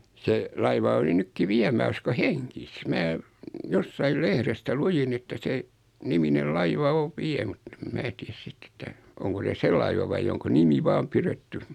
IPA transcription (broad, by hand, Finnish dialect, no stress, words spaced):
se lɑiʋɑ oli nykːi ʋiæ mæ usko heŋkis mæ josːɑil lehrestæ lujin etːæ se niminel lɑiʋɑ oʋ̆ ʋiɛ mut ĕm̆ mæː tiæs sitː etːæ oŋko se se lɑiʋɑ ʋɑi oŋko nimi ʋɑːm piretːy